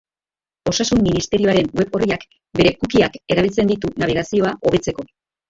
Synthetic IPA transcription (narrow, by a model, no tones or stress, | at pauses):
o̞sasumːinist̪e̞ɾio̞aɾe̞nwe̞po̞riak | be̞ɾe̞kukiake̞ɾaβilt͡se̞nd̪it̪unaβ̞iɣ̞asio̞aʔo̞βe̞t͡se̞ko̞